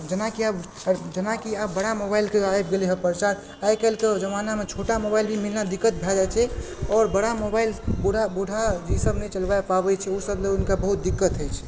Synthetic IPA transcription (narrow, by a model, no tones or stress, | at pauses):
d͡ʒənakiab | d͡ʒənakiabbːəɽamobaɪlkeajbɡeleɦəpəɾt͡ʃaɾ | ajkɛlked͡ʒəmanamet͡ʃʰoʈamobailbʱimilnad̪ikːət̪̚bʱɛd͡ʒat͡ʃʰɛɔːɾbəɽamobailbuɽ̤ʱabuɽʱad͡ʒisəbnɛt͡ʃəlbaepaβɛt͡ʃʰɛusəbleʊnkabəɦut̪̚d̪ikːət̪ɦəjt͡ʃʰ